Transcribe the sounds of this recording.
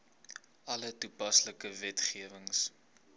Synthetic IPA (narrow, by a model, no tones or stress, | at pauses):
ʔɐlətupɐsləkəvɛtχiəvəŋs